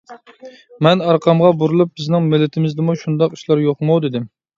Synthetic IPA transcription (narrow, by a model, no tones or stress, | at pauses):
mɛnɑɾqʰɑmʁɑbuɾulˠup̚bɪznɪŋmɪlːɪt̪ʰɪmɪzd̪ɪmuʃund̪ɑqi̥ʃlˠɑɾjoqmowd̪ɪd̪ɪm